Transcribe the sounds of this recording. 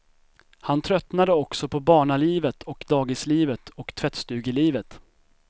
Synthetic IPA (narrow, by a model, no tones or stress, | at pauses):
hant̪ʰɾœt̪nad̪əɔksɔpʰɔbɑːɳaliːvət̪ʰɔkd̪ɑːɡɪsliːvət̪ʰɔkt̪ʰvɛt̪st̪ʉ̟ːɡɪliːvət̪